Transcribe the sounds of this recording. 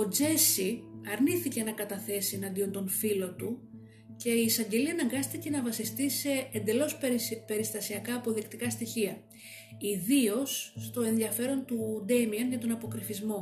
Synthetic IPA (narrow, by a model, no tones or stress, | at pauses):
o̞d͡ze̞siɐɾniθice̞nɐkɐt̪ɐθe̞sienɐnd̪io̞nt̪o̞nfilo̞t̪u | ce̞iːsɐɲɟe̞liɐnɐŋɡɐst̪ice̞nɐvɐsist̪ise̞ːnd̪e̞lo̞spe̞ɾist̪ɐsiɐkɐːpo̞ðikt̪ikɐst̪içiɐ | iðio̞sːt̪o̞e̞nðiɐfe̞ɾo̞nt̪ud̪emiɐnʝɐt̪o̞nɐpo̞kɾifizmo̞